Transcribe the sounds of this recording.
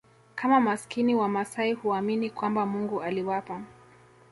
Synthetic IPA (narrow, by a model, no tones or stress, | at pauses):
kʰamamaskiniwamasaihuaminikwambamuŋɡualiwapa